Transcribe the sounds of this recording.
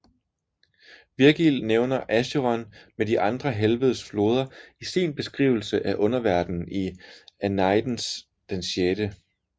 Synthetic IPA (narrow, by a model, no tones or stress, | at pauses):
ʋiɐɡ̥ilneʊnɐʔæɕoʁɒnmediʔɑ̈nd̥ʁɐɦelʋəð̞ˠsflo̝ːð̞ˠɐisiːnb̥e̝sɡ̥ʁḭːʊ̰l̩səʔæʔɔ̽nɐʋæɐd̥n̩iænɑ̈ɪd̥n̩s | d̥enɕed̥ə